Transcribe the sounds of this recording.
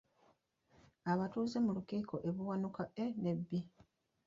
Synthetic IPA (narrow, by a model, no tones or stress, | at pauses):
aβatuːze̞mulukiːko̞ʔe̞βuwanukaene̞bːi